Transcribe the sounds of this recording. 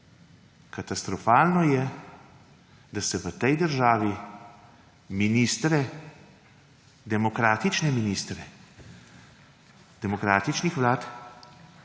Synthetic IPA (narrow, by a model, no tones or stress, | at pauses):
kat̪ast̪ɾɔfaːlnɔjɛ | d̪asɛʋət̪ɛjd̪əɾʒaːʋi | miniːst̪ɾɛ | d̪ɛmɔkɾaːt̪it͡ʃnɛminiːst̪ɾɛ | d̪̥ɛmɔkɾaːt̪it͡ʃnixʋlaːt̪